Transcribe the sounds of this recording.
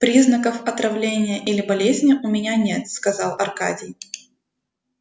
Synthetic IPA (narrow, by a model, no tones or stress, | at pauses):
pɾʲiznəkəfɐt̪ɾɐvlʲenʲɪjəʔilʲɪbɐlʲezʲnʲɪʔʊmʲɪnʲanʲe̞t̪skɐzɑlˠɐrka̰dʲɪj